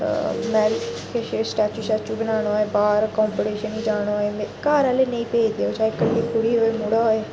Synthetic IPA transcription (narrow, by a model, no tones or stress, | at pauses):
mɛːɾkeʃesʈaːt͡ʃuːt͡ʃaːt͡ʃuːbənaːɽ̃oaːeːbaːɾkɔ̃ːmpoʈeːʃəniːd͡ʒaːɽ̃oaemekaːɾãːleːnẽĩːpeːd̪eoːt͡ʃaːekəlːiːkʰʊɽiːɦoːeːmʊɽaɦoːeː